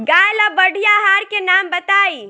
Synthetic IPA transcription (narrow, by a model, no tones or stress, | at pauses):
ɡajləbəɽ̤ʱijaɦaɾkenambət̪ai